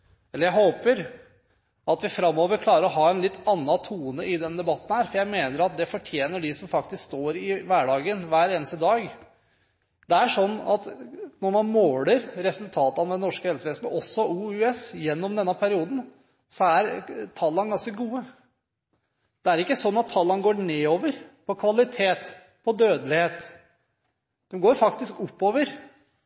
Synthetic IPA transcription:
ɛlːəɾjæɪɦoːpəɾ | ɑt̪ʋɪfɾɑmːoːʋəɾkʰlɑːɾəɾɔɦɑːɛnlɪt̪ʰːɑnːɑt̪ʰuːnəʔɪd̪ɛnəd̪ɛbɑt̪ːən̩hæːɾfɔɾjæɪmeːnəɾɑt̪̚d̪ɛfɔʈʰjeːnəɖɪsɔmfɑkt̪ɪskst̪oːɾɪʋæːɖɑːɡənʋæːɾeːnəst̪əd̪ɑːɡ | d̪ɛæʂɔnːɑt̪nɔɾmɑnmoːləɾɾɛsʉlt̪ʰɑːt̪əɑnd̪ɛnɔʂkəhɛlsəʋeːsnɔsːɔuːʉːɛsjɛnːɔmd̪ɛnːəpʰæɾɪuːd̪n̩ | sɔæɾt̪ʰɑlːɑnɡɑnskəɡuːə | d̪̥ɛæɾɪkːəsɔnːɑt̪ʰːɑlːɑnɡoːɳeːoːʋəɾpʰɔkʰʋɑlɪt̪ʰeːt̪ | pʰɔd̪øːd̪əlɪheːt̪ | d̪̥ɛmɡoːɾfɑkt̪ɪskʊpːoːʋəɾ

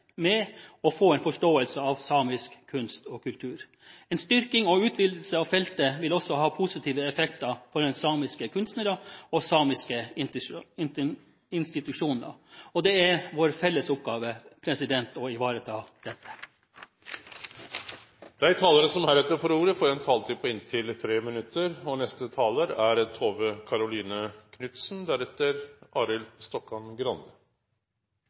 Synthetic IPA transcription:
mɛɔfoːɛɪnfɔʂʈoːəlsəɑʋsɑːmɪskʰːʉnst̪ɔːkʉlt̪ʰʉːɾ | ɛnst̪ʏɾkɪŋɔʉːt̪ʰʋɪll̩səɑʋfɛlt̪əʋɪlɔsːɔhɑːpʰʊsɪt̪ʰiːʋəɛfɛkt̪ɑfɔɾd̪ɛnsɑːmɪskəkʰʉnst̪nəɾɑɔsɑːmɪskə | ɪnst̪ɪt̪ʉʂuːnə̰ɔd̪ɛæɾʋoːɾfɛlːəsʊp̚ɡɑːʋəpʰɾɛsɪd̪ɛnt̪ɔɪʋɑːɾət̪ʰɑːd̪̥ɛt̪ʰːə̥ | d̪̥æɪt̪ʰɑːləɾəsɔmæɾɛt̪ːəɾfɔɾuːɾəfɔːɾɛnt̪ʰɑːlt̪ʰiːpʰɔɪnt̪ʰɪlt̪ʰɾeːmɪnʉt̪ːəɾɔnɛst̪ət̪ʰɑːləɾæɾt̪ʰoːʋəkʰɑɾʊliːnəkʰnʏt̪sn̩d̪æɾɛt̪ːəɾʔɑːɾɪlst̪ɔkːɑnɡɾɑnd̪ə

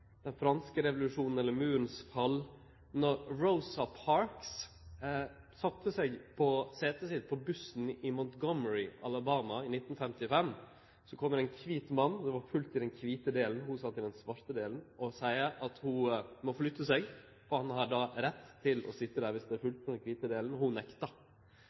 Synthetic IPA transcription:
d̪̥ɛnfɾɑnskəɾɛʋlʉʂuːnn̩ɛlːəɾmʉːɾənsfɑlː | nɔɾːoʊsɑpʰɑɹks | sɑt̪ːəsɛɡpʰɔseːt̪əsɪt̪̚pʰɔbʉsn̩ɪmɔnt̪ɡɔməɹɪʔɑ̰lɑbɑːmɑɪnɪt̪ːnfɛmt̪ɪfɛm | sɔkʰɔmːəɾɛnkʰʋiːt̪mɑnːd̪ɛʋɑɾfʉlt̪ɪd̪ɛnkʰʋiːt̪əd̪eːln̩hʊsɑt̪ːɪld̪ɛnsʋɑɾt̪əd̪eːlnʔɔsæɪəʔɑt̪hʊmɔfɔlɭʏt̪ːəsɛɡ | fɔɾhɑnhɑɖɑɾɛt̪ʰːɪlɔ̰sɪt̪ːəd̪æːɾʋɪsd̪ɛæɾfʉlt̪̚d̪ɛnkʰʋiːt̪əd̪eːln̩ɔhʊnɛkt̪ɑ

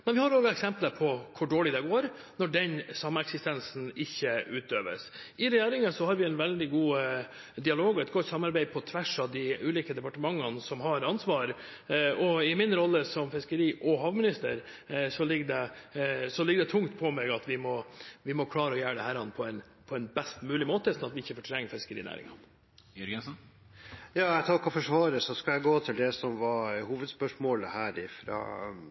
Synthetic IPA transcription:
nɛʋɪhɑːɾoːɡɑɛksɛmpləpʰɔkʰʊɖoːɭɪd̪ɛɡoːɾ | nɔɖɛnsɑmːəɛksɪst̪ɛnsn̩ɪçːəʉːt̪øːʋə̰s | ɪɾɛjæːɾɪŋəsɔhɑɾʋɪɛnʋɛld̪ɪɡuː | d̪ɪɑloːɡɔɛt̪ɡɔt̪ːsɑmːɑɾbæɪpʰɔt̪ʰʋæʂɑʋd̪ɪʉːliːkəd̪ɛpɑʈəmɑŋːənsɔmɦɑɾɑnsʋɑːɾ | ɔɪmɪnɾɔlːəsɔmfɪskəɾiːʔɔɦɑːʋmɪnɪst̪əɾ | sɔlɪɡd̪ɛsɔlɪɡəd̪ɛt̪ʰʊŋt̪pʰɔmɛɡɑt̪ʋɪmɔʋɪmɔkʰlɑːɾəɔjæːəɖ̪ɛhæːɾɑnːpʰɔɛn | pʰɔɛnbɛst̪mʉːlɪmoːt̪əsɔnɑt̪ʋɪɪçːəfɔʈʰɾɛŋːəfɪskəɾḭːnæ̰ːɾɪ̰ŋɑ̰n | ɾɡɛns | jɑːɛɪt̪ʰɑkːɔfɔʂʋɑːɾəsɔskɑljæɪɡoːt̪ʰɪld̪ɛsɔmʋɑhuːʋəd̪spœʂmoːləhæːɾɪfɾɑ̰ː

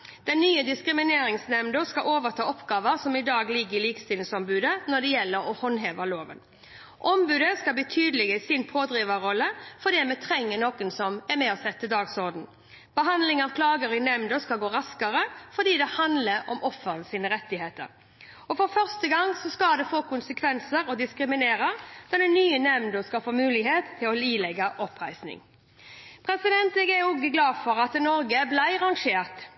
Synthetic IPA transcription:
d̪̥ɛnːyːəd̪ɪskɾɪmɪneːɾɪŋsnɛmnd̪oskɑʔoːʋəʁt̪ʰɑːɔpɡɑːʋəʁsɔmɪd̪ɑːɡlɪɡːəɪliːkst̪iːlɪsɔmbʉːd̪ənɔd̪ɛjɛlːəɾɔhɔnɦeːʋəloːʋə̰n | ʔɔmbʉːd̪əskɑlbit̪ʰyːd̪əlɪɡəsɪnpʰoːd̪ɾiːʋəɾɔlːəfɔd̪ɛːmɛt̪ʰɾɛŋːənoːkʊnsɔmɛʁmɛɔsɛt̪ːəd̪ɑːɡsɔʁd̪n̩ | b̥əɦɑnd̪lɪŋɑʋkʰlɑːɡəɾɪnɛmnd̪ɔskɑlɡoːɾɑskəɾəfɔd̪iːd̪ɛhɑnd̪ləɾɔ̰mɔfːəɾənsiːnəɾɛt̪ːɪheːt̪ə̰ɾ | ɔfɔɾfœʁst̪əɡɑŋsɔskɑld̪ɛfoːkʊnsəkʰʋɛnsəɾɔd̪ɪskɾɪmɪneːɾəd̪̥ɑd̪ɛnyːənɛmnd̪ɔskɑfoːmʉːlɪɡɦeːt̪ʰːɪlɔliːlɛɡɑʔɔpʁæɪsnɪ̰ŋ | pʰɾɛsɪd̪ɛnt̪ɛɡɛʊɡəɡlɑːfɔɾɑt̪nɔɾɡəblæɪʁɑŋʂeːʁt̪

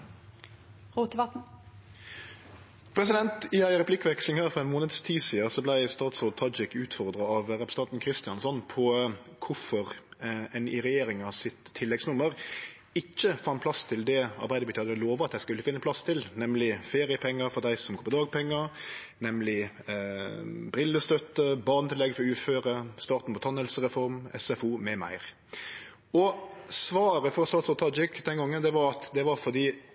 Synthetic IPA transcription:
ʁuːt̪əʋɑt̪n̩ | pʰɾɛsɪd̪ɛnt̪ɪæɪəʁɛpʰlɪkːʋɛkslɪŋhæːɾfɔʁɛnmoːnəd̪st̪ʰiːsiːəsɔblæɪst̪ɑːt̪sɔːt̪ʰɑd͡ʒɪkʉːt̪fɔʁd̪ɾɑɑʋʁɛpɾəsəɑnt̪nkʰɾɪst̪ɪɑnsɔnpʰɔ | kʰʊfɔʁɛnɪʁɛjeːɾɪŋɑsɪt̪ʰːɪlːɛɡsnʊmːəʁ | ɪçːəfɑnpʰlɑst̪ʰɪld̪ɛɑ̰ɾbæɪəbʏt̪ʰɑːləloːʋəɑt̪æɪskʉlːəfɪnːəpʰlɑst̪ʰɪlnɛmlɪfeːɾɪəpʰɛŋːɑfɔd̪æɪsɔmɡoːpɔd̪ɑːɡ̚pʰɛŋːə | nɛmlɪ | bɾɪlːəst̪œt̪ːəbɑʁnət̪ʰɪlɛɡfɔɾɔʉːføːɾəst̪ɑːɾt̪n̩mʊt̪ʰɑnəlsəʁɛfɔɾmɛ̰sɛfuːmɛmæ̰ɪʁ | ɔsʋɑːɾəfɔɾsɔːsɔt̪ʰɑd͡ʒɪkːd̪ɛnɡɔŋːənd̪ɛʋɑɾɑt̪d̪ɛʋɑfɔd̪iː

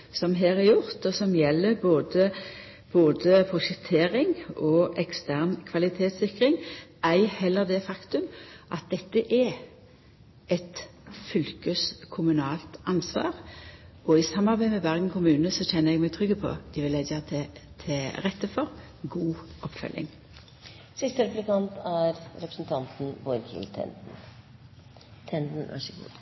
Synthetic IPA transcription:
sɔmɦeːɾæɾjʊʁt̪ɔsɔmjɛlːəɾboːd̪ə | b̥oːd̪əpʰʊʃəkt̪ʰeːɾɪŋɔɛkst̪ʰæʁnkʰʋɑlɪt̪ʰeːt̪sɪkʁɪŋæɪhɛlːəʁd̪ɛfɑkt̪ʉmʔɑt̪̚d̪ɛt̪ːəʔɛ | ɛt̪fʏlkəskʰʊmʉnɑːlt̪ɑnsʋɑ̰ːʁ | ɔɪsɑmːɑʁbæɪmɛbæʁɡn̩kʰʊmʉːnəsɔçɛnːəɾɛɡmɛɡt̪ʰʁʏɡːəpʰɔ̰d̪̥ɪʋɪlɛd̪t̪ʰɛt̪ʰɪʁɛt̪ːəfɔʁ | ɡuːɔpːfœ̰lʔɪ̰ŋ | sɪst̪əɾɛplɪkɑnt̪æɾɾɛpɾəsn̩t̪ʰɑnt̪n̩bɔɾkʰɪ̰lt̪ʰɛ̰nd̪n̩ | t̪ʰɛnd̪n̩ʋæ̰ʂəɡṵːd̪

